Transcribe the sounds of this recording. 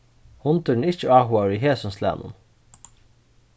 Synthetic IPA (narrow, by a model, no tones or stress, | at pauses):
hʊnt̪əɳ̩ɪt͡ʃəɑːɦʊɑɹiːɦeːsʊnslæ̰ːnʔʊ̰n